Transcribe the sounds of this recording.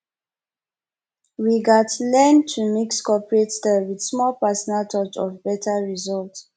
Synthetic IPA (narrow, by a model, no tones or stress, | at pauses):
ɹiɡadlɛ̃ntʰːumikskʰɔpɹetstɛlwidsmɔlpɛsɔnaltʰɔt͡ʃɔvbɛtʰaɹizɔlt